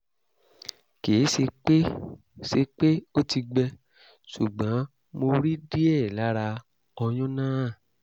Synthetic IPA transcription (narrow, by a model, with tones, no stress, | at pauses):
ke˨˦se˧k͡pe˦ | se˧k͡pe˦o˦ti˧ɡ͡bɛ˧ | su˨ɡ͡bã˨˦ | mo˧ɾi˦di˦ɛ˦˨la˦ɾa˧ | ɔ˧j̃ɔ̃˦nãː˦˨